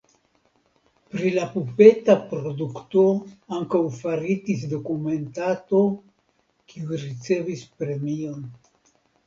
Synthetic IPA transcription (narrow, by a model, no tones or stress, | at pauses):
pɾilapupe̞tapɾo̞dukto̞aŋkawfaɾitis̬do̞kume̞ntato̞ | kʰiuɾit͡se̞vispɾe̞mio̞n